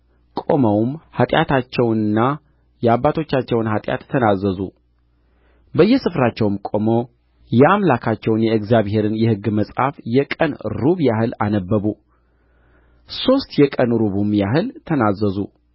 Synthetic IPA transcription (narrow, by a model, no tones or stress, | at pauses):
kʼo̞məwmhat̪ʼja̰t̪ʰat͡ʃːɛwnɨnːa | jɛabːat̪ʰo̞t͡ʃːat͡ʃːɛwnhat̪ʼja̰t̪ʰːənazːəzṵ | bəjːɛsɨfɾat͡ʃːɛwmkʼo̞mo | jɛamlakʰat͡ʃːɛwnjɛɨkzjaβhe̞ɾɨnjɛhɨɡːməsʼhafjɛkʼənɾuβjahɨla̰nəbːəβu | so̞st̪jɛkʼənɾuβumjaɦɨlt̪ʰənazːəzu